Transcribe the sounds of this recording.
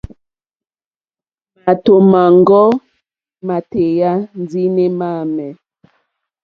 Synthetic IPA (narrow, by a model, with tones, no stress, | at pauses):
ma˨to˨ma˨ŋɡɔ˦ | ma˨te˨ja˦n˦d͡zi˦ne˦ma˦˨mɛ˨